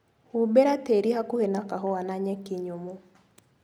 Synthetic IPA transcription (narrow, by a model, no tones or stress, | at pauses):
hubɛɾat̪eɾihakuhenakaɦɔwanaɲɛkɪɲomu